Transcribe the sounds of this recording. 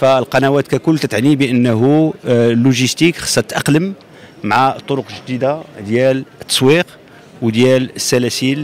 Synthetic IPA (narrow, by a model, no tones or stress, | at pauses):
fæəlqɑnæwæt̪kækʊlːt̪ət̪ʕnibəʔənːɦulːuʒəst̪ikxɑ̥sːˤɑt̪t̪ʔɑqləm | mʕat̪ˤːoɾoqʒd̪id̪ad̪jælət̪ːɑ̥sˤwiq | wəd̪jæləsːælæsil